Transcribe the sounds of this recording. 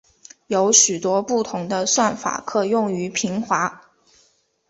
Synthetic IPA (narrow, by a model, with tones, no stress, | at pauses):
jo˧˥ʊɕy˨˩t̪wɔ˥pu˥˩t̪ʰʊ˧˥ŋd̪ə˧swa˥˩nfa̰˨˩kʰɤ˥˩jʊ˥˩ŋy˧˥pʰi˧˥ŋxwa˧˥